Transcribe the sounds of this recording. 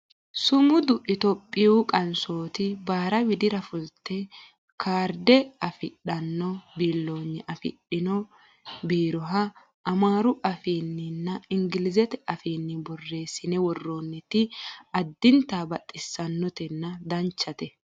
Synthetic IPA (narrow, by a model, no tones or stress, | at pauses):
sʊmʊd̪ʊʔɪt̪ɔpʼːɪjuːkʼɐnso̞ːt̪ɪbaːɾɐwɪd̪ɪɾɐfʊlt̪ːɛ | kʰaːɾd̪ɛɐfɪɗɐnːɔbiːlːo̞ːnːɛʔɐfɪ̰ɗːɪnɔ | biːɾɔɦɐ | ɐmaːɾʊʔɐfiːnːɪnːɐɪŋɡɪlɪzɛt̪ɛɐfiːnːɪbɔrːe̞ːsɪnɛwɔrːoːnːɛt̪ɪɐd̪ːɪnt̪aːbɐt̪ʼːɪsːɐnːɔt̪ɛnːɐd̪ɐnt͡ʃːɐt̪ɛ